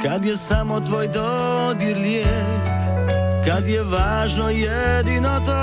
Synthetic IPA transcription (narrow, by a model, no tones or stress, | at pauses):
kad̪jɛsamot̪ʋoːjd̪o | d̪iɾljɛ | k | kad̪jɛʋaːʒnojɛd̪inot̪o